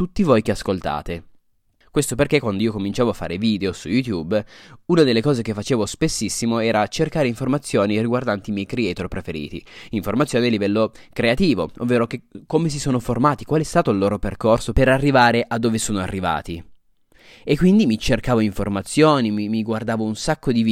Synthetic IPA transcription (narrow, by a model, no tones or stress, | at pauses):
t̪ut̪ːivojkeaskolt̪a̰ːt̪e | kwest̪operkekːwand̪oiːokomint͡ʃaːvoafːa̰ːɾeviːd̪eosujut̪jubunad̪elːekɔːzek̟efːat͡ʃeːvospesːisːimoɛːɾat͡ʃerkaːɾeiɱformat̪sːjoːniriɡward̪ant̪imjɛjkɾeɛːt̪orpɾefeɾḭːt̪iiɱformat̪sjoːnealivɛlːokɾeat̪iːvo̰o̰vːeːɾokekːomes̬isoːnoformaːt̪ikwaːleɛst̪aːt̪oilːoːɾoperkorsopeɾarːivaːɾeʔad̪ːoːvesoːnoa̰rːiva̰ːt̪i | ekːwind̪imit͡ʃerkaːvoiɱformat̪sːjoːnimimiɡward̪aːvounsakːod̪iv